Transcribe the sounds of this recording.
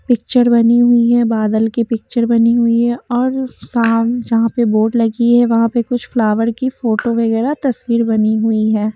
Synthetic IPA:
pɪk̚t͡ʃəɾbɐniɦʊiɦɛbaːd̪əlkipɪk̚t͡ʃəɾbɐniɦʊiɦɛɔːɾsaːmd͡ʒɐɦãpeboːʈlɐɡiɦɛʋɐɦãpekʊt͡ʃʰflaːʋəɾkifoːʈoʋɐɣɛːɾat̪ɐswiːɾbɐniɦʊiɦɛː

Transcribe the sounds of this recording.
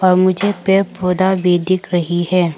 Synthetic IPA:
ɔːɾmʊd͡ʒʱepepoːd̪abeːd̪ɪkɾɐɦiɦɛː

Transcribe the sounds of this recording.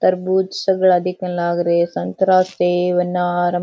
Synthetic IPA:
t̪ɐɾbuːt̪sɐɡɐɭɐd̪ʱikɐlaːɡɐɾesɐnt̪ɾaːseːʋɐnːɐːɾɐ

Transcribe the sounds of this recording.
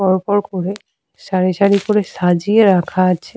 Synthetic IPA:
ɔɾpɔɾkoɾe | ʃaɾiʃaɽikoɾeʃad͡ʑieɾakʰaat͡ɕʰe

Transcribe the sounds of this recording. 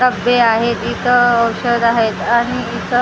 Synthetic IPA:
əbeaɦet̪it̪ʰəːwɕəd̪aɦet̪aɽ̃iːt̪ʰə

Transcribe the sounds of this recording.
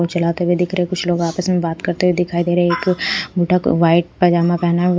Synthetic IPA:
ot͡ʃɐlaːt̪ewed̪ɪkʰɾeekʊt͡ʃʰloːɡaːpəsmẽbaːt̪kɐɾt̪eɦwed̪ɪkʰaːid̪eːɾeɦeeːkbʱuːʈəkʋaːɪʈ̚pɐd͡ʒaːmãpɛɦnaɦ

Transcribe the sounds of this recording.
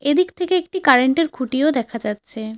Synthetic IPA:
ed̪ikt̪ʰekeek̚ʈikaɾeɳʈeɾkʰuʈiod̪ɛkʰad͡ʑatːɕʰe

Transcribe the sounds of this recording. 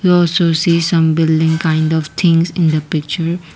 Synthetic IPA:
hiɔlsosisʌ̃mbɪlɖɪ̃ŋkãɪ̃ndɔft̪ʰɪ̃ŋsɪ̃nd̪əpɪk̚t͡ʃəɾ

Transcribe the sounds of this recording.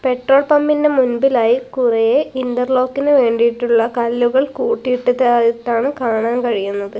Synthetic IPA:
pe̞ʈro̞ːɭpɐmːindemunbilaːjikurɐjeind̪ɐrlo̞ːkːinɨʋe̞ːɳɖijiʈːuɭːɐkɐlːuɣɐɭkuːʈːijiʈːɐðaːit̪ːaːɳɨkaːɳaːnkɐɻijunːɐðɨ

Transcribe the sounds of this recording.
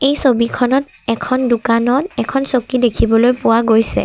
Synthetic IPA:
ejsobikʰɔnɔt | ɛkʰɔndʊkanɔtɛkʰɔnsokidekʰibɔlojpʊwaɡojsɛ̰

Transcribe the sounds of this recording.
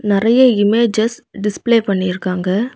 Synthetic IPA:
nɪɾɐjɐɪmeːd͡ʒɐsɖɪspleːpɐɳːɪɪɾɯkːaːŋɡɐ

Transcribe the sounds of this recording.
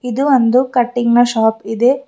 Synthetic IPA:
id̪uʋond̪ukɐʈːiŋɡnɐʃaːpid̪e

